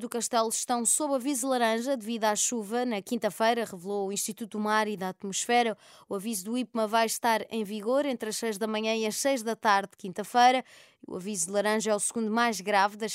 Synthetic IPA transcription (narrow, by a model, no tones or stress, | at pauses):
d̪ukɐʃt̪ɛlˠʃt̪ɐ̃w̃soβɐvizlˠɐɾɐ̃ʒɐd̪ɨviðwaʃuvɐnɐkĩnt̪ɐfɐjɾɐʁɨvlˠouĩʃt̪it̪ut̪maɾiðat̪muʃfɛɾɐ | uɐvizuðuip̚mɐvajʃt̪aɾḛ̃j̃viɣoɾẽnt̪ɾɐʃsejʒðɐmɐɲɐ̃iɐʃsejʒðɐt̪aɾðkĩnt̪ɐfɐjɾɐ | iṵɐ̰vizuðlˠɐɾɐ̃ʒɐɛusɨɣũnd̪umajʒɣɾavðɐ